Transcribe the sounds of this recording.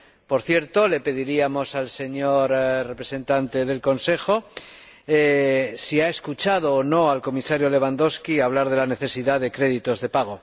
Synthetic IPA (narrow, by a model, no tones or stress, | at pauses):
po̞ɾθje̞ɾt̪o̞le̞pe̞ðiɾiamo̞salse̞ɲo̞ɾre̞pɾe̞se̞nt̪ant̪e̞ð̞e̞lko̞nse̞xo̞ | esiae̞skut͡ʃað̞oːno̞alko̞misaɾjo̞le̞β̞and̪o̞skiaβ̞laɾð̞e̞lane̞θe̞siðaðe̞kɾe̞ðit̪o̞zðe̞paɣ̞o̞